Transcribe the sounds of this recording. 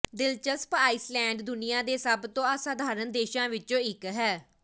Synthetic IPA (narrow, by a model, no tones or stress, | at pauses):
d̪ɪlt͡ʃəspaːiːslɛ̃ːɳɖd̪ʊnɪjãːd̪eːsəbt̪õːasaːd̪ʱaːɾənd̪eːʃãːʋɪt͡ʃõːɪkɦɛː